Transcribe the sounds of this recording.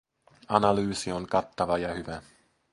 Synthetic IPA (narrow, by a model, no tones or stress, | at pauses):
ɑnɑlyːsioŋkɑt̪ːɑʋɑjɑhyʋæ